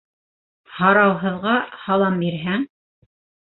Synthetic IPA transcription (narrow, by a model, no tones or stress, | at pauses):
hɑɾɑwɦɤ̆ðʁɑhɑlˠɑmbiɾɦæŋ